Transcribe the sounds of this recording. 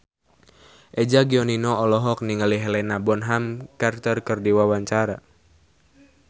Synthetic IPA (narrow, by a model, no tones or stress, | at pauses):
ʔɛd͡ʒaɡiɔninɔɔlɔɦɔk̚niŋəliɦɛlɛnabɔnɦamkart̪ərkərdiwawaɲt͡ʃaɾa